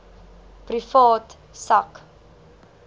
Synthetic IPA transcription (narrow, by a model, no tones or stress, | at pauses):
prifɑːt | sɐk